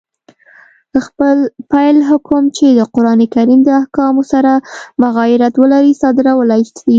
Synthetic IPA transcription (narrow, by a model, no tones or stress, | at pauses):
xpəlpajlɦakomt͡ʃed̪əqʊɾɑnekaɾimd̪əahkɑmosaɾamʊɣɑɪɾat̪wəlaɾisɑd̪ɪɾawalaj̪d̪i